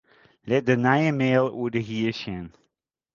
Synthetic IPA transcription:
lɛt̚dənajəmeːlˠṵədəɦiəsɛn

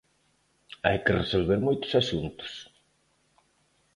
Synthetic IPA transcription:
a̰jkɪresolβeɾmojt̪ʊ̥sasunt̪ʊ̥s

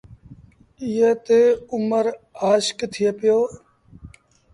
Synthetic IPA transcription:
ɪjət̪eːʊməɾaːʃkt̪ʰɪjepjoː

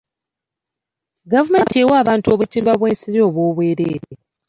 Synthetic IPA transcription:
ɡavumentiewaːβaːntuo̞βutiːmbaβwe̞ːnsiɾjo̞ːβwo̞ːβwe̞ːɾeːɾe

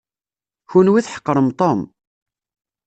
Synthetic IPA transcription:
çunwiθħə̥qːɾˤəmt̪ˤom

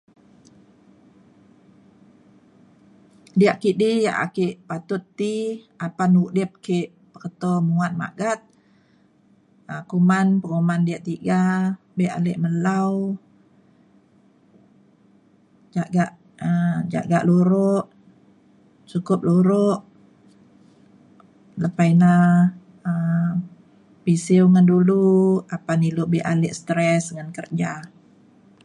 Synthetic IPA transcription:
diaʔkiʔdijaʔa̰kiʔpat̪ʊt̪ːi | apanuʔdip̚keʔ | pəkət̪ɔmuat̪̚ma̰ɡat̪̚ | əkumanpəŋumandiaʔt̪iɡa | bɛʔa̰lɛʔməlaw | d͡ʒaɡaʔ | əd͡ʒa̰ʔɡaʔluɾʊʔ | t͡ʃukʊp̚luɾʊʔ | ləpajna | əm | pisɪwŋanduluapanilʊʔbɪʔalɪʔst̪ɾɛsŋankərd͡ʒa

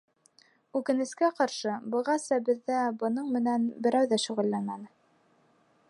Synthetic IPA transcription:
ʉkɘ̆nɘ̆skæqɑɾʃɤbɤ̆ʁɑsɑbɘ̆ðːæbɤ̆nɤɴmɘ̆nænbɘ̆ɾæwðæʃuʁɘ̆lːæŋmænɘ

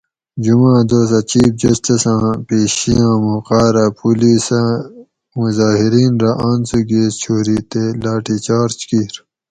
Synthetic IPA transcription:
d͡ʑumãːd̪oːsɐt͡ɕiːfd͡ʑɐsʈisãːpeːɕijãːmuqaːɾapuliːsãː | muzaːɦiɾiːnɾaʔaːnsuɡeːst͡ɕʰoːɾiːt̪elaːʈit͡ɕaːɾt͡ɕkiːɾ

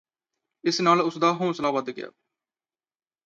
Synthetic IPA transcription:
ɪsnaːlʊsd̪aːɦõːsəlaːʋəd̪ɡɪja̰ː

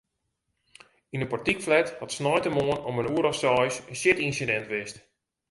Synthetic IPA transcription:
inəpɔtikflɛthɔtsnɔjtəmoənɔmənuəɾɔfsɔjsənsɪtinsidɛntʋɪst

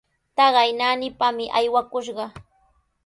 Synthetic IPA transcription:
t̪ɑɢɑjnanɪpamɪʔajwakʊʃ̬ɢɑ

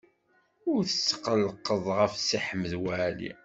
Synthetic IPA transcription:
ʊɾθəsːə̥qəlːqəðˤʁəfsiħəməðwælḭ

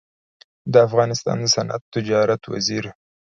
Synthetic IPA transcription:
d̪əafɣɑnɪst̪ɑ̰nd̪əsanʔa̰t̪ːɪd͡ʒɑɾat̪wa̰ziɾ

